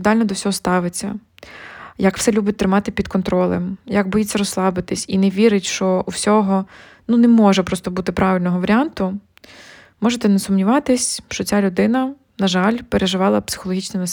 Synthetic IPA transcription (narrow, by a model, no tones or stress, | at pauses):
d̪ɑlʲnɔd̪ɔwsʲɔɦɔst̪ɑʋɪt͡sʲːɐ̰ | jɐkw̥sɛlʲubʲʊt̚ʲt̪ɾɪmɑt̪ɪpʲid̪kɔnt̪ɾɔlˠḛmjɐɡbɔjit͡sʲːɐɾɔslˠɑbɪt̪ɪsʲinɛʋʲiɾɪtʲʃt͡ʃɔʔuwsʲɔɦɔ | nunɛmɔʒɛpɾɔst̪ɔbut̪ɪpɾɑʋʲɪlʲnɔɦɔʋɐɾʲɑnt̪ʊ | mɔʒet̪ɛnɛsʊmnʲiʋɑt̪ɪsʲʃt͡ʃɔt͡sʲalʲʊd̪ɪnɐ | nɐʒɑlʲpeɾʔeʒɪʋɑlˠɐpsɪ̥xɔlˠɔɦit͡ʃnijnɐs